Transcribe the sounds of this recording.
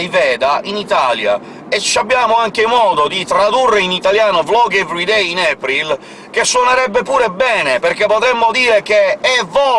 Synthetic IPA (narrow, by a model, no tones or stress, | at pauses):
jvɛːd̪aʔinit̪aːlja̰ | et͡ʃːabːjaːmoaŋkemɔːd̪od̪it̪ɾad̪urːeinit̪aljaːnovlɔːɡɛvɾid̪ɛjinɛpɾil | k̟esːwɔneɾɛbːepuːɾebɛːnepeɾk̟epːot̪ɾɛmːod̪iːɾekeɛvːɔ